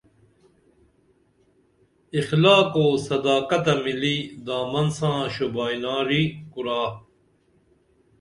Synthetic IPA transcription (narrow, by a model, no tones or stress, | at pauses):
ixlaːkoːsɐd̪aːkɐt̪ɐmilid̪aːmɐnsãːɕubaːjnaːɾiːkuɾaː